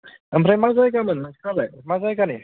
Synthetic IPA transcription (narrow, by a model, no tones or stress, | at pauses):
əmremazajɡamənmakʰalˠɛmazajɡani